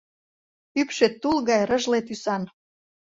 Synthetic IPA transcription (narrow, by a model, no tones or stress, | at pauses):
ypʃet̪ːulɣɑjɾə̆ʒlet̪ysɑn